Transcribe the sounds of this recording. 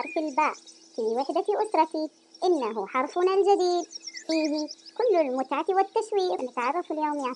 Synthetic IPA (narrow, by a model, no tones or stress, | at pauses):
ɑɾˤfɪlbaːb | fiwɪħd̪aʔʊt̪ɾˤɑt̪i | ʔɪnːaɦʊħɑɾˤfʊnald͡ʒad̪iːd̪fiːɦikʊlːɪlmʊt̪ʕak̪iwɪt̪ːaʃwiːqnɪt̪ʕɑrˤːɑfɪljoːmja